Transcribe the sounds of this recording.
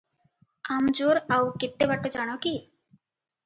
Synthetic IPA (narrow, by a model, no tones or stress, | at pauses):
amd͡ʒuɾawkɪt̪ːebaʈːod͡ʒaɽ̃oki